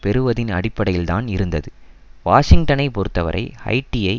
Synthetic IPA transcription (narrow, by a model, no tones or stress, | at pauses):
pɛɾɯʋɐðɪnɐ̰ɽɪpːɐɽɐjɪlt̪aːnɪɾɯnd̪ɐðɯ | ʋaːʂɪŋɡ̚ʈɐnɐɪpɔɾɯt̪ːɐʋɐ̰ɾʔɐ̰ɪɐ̰ɪʈːiɐɪ